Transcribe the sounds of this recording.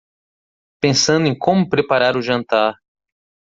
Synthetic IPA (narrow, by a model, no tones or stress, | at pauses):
pẽsɐ̃nd̪ʊẽj̃kʰõmʊpɾepaɾaɾʊʒɐ̃nt̪aɾ